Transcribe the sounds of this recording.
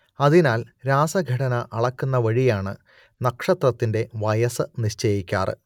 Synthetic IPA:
ɐðinaːlɾaːsɐɡʱɐɽɐnɐʔɐɭɐkːunːɐʋɐɻijaːɳɨ | nɐkʂɐt̪rɐt̪ːinde̞ʋɐjɐsɨniɕt͡ɕeːjikʲːa̰ːrɨ̰

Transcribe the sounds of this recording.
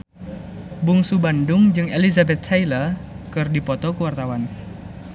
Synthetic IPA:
buŋsubandʊŋd͡ʒɨŋelizabɛt̪̚sailakɨrdipɔt̪ɔkəwart̪awan

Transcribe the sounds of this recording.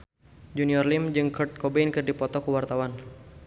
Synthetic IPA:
d͡ʒuniɔrlimd͡ʒɨŋkərt̪̚kɔbɛnkɨrdipɔt̪ɔkuwart̪awan

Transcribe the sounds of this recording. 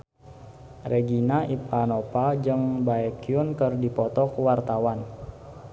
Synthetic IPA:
rɛɡinaipanopald͡ʒɨŋbaɛkiunkɨrdipɔt̪ɔkuwart̪awan

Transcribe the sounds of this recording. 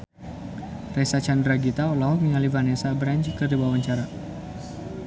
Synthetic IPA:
rɛsat͡ʃandraɡit̪aɔlaɦɔk̚miŋalivanesabɾant͡ʃkərdibawaɲt͡ʃaɾa

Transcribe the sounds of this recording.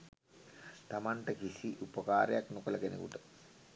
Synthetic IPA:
t̪amaɳʈəkisiʔupəkaːɾḛjaknokələkenḛkṵʈə

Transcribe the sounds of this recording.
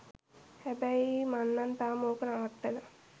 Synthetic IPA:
hɛbɛimanːant̪aːmoːkənaʋat̪ːela

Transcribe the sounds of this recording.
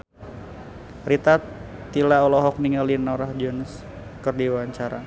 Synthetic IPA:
rit̪at̪ː | ilaɔlɔɦɔk̚niŋəlinɔɾahd͡ʒɔns | kərdiwaɲt͡ʃaɾa

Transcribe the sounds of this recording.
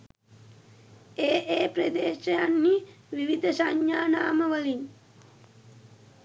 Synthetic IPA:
eːʔeːpɾəd̪eːʃəjanːiʋiʋid̪əsaɲjaːnaːməʋəliɲ

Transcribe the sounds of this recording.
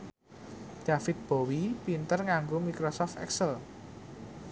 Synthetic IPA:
d̥afɪt̪̚b̥owipint̪ərŋaŋɡomikɾosɔft̪ɛ̰ksəl

